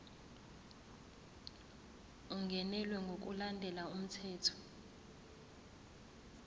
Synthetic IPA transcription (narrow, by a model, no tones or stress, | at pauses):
uŋɡʱɛnɛlwɛŋɡʱok̬ulandʱɛlaum̩tʰɛːtʰɔ̥